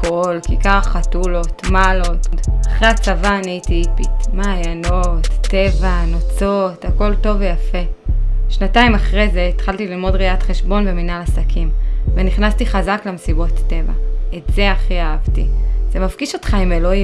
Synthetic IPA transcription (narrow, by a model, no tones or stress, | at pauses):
kolkikaʁaχatulo̞tmalo̞ttaχʁeat͡savaːniitipitmaːjano̞tːe̞vanot͡so̞tako̞lto̞vejafe̞ʃnataimaχʁezeit̪χaltililmo̞dʁiatχe̞ʃbo̞nbe̞minalasakʰimveniχnastiχazaklemsibo̞tːe̞va̰etze̞aχiaavtiz̥e̞mafɡiʃo̞tχaime̞lo̞im